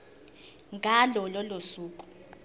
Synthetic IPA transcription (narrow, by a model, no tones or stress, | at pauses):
ŋɡʱalɔlɔlosuːkʼu̥